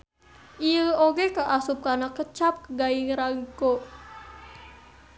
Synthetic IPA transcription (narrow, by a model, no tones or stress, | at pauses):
ʔiəoɡekəʔasup̚kanakət͡ʃap̚kəɡaiŋɾaŋkoʔ